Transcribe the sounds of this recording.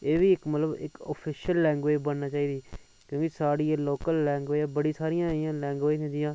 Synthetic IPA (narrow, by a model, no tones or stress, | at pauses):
eːʋiːɪkmət̪ləbɪ̰ko̰ːpʰɪʃəlːɛ̃ːŋɡʋeːbənnaːt͡ʃaːiːd̪iː | kjõːkisaːɽiːeloːkəlːɛːŋɡʋeːaːbəɽiːsaːɾɪjãːɪjãːlɛ̃ːŋɡʋeːt̪ẽd̪ɪjãː